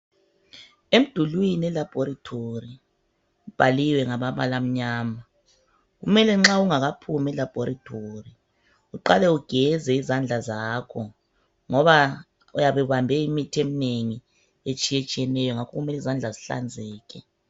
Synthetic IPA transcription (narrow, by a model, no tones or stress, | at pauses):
em̩d̥ʱulwinɛlab̥ʱoɾatʰori | ub̥ʱaliwɛŋaβaβalam̩ɲaːma | ɣṵmɛlɛŋ͡ǁauŋaɣapʰumɛlab̥ʱoɾatʰori | uǃalɛuɡ̥ʱɛzɛizand͡ɮʱazakʰɔ | ŋɔβa | ujaβɛβambʱɛimitʰiemineŋi | et͡ʃʼijet͡ʃʼijɛnɛjɔŋakʰɔɣumɛlizand͡ɮʱaziɬa̰nd͡zʱɛːkʰɛ